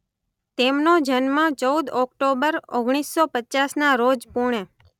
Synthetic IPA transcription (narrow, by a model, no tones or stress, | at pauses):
t̪emnod͡ʒənmãt͡ʃəud̪ɔkʈobəɾoɡɽ̃isːɔpətːt͡ʃasnaɾod͡ʒpuɽ̃e